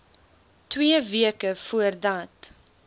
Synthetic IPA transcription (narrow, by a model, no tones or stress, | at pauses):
twiəviəkəfuərdɐt